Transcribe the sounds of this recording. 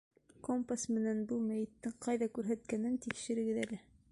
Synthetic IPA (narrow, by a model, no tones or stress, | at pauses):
kompasmɘ̆nænbɤlˠmæjɘ̆t̪ːɘŋqɑjðɑkʉɾɦæt̪kænɘnt̪ikʃɘ̆ɾɘ̆ɡɘðælɘ